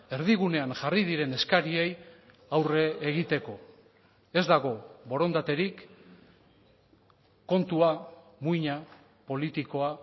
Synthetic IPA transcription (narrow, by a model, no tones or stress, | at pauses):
e̞ɾðiɣune̞aŋʝarið̞iɾe̞ne̞skaɾie̞j | awre̞ːɣit̪e̞ko̞ | e̞zd̪aɣ̞o̞βo̞ɾo̞nd̪at̪e̞ɾik | kːo̞nt̪ua | muiɲa | po̞lit̪iko̞a